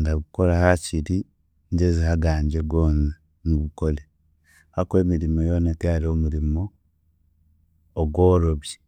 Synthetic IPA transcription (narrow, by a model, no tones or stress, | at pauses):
ndaβuko̞ɾahaciɾi | ɲɟezihaɡaːɲd͡ʒeɡwoːna | nuβukole | hakwe̞ːmiɾimojoːnakaaɾiomuɾimo | ɡwoɾoβje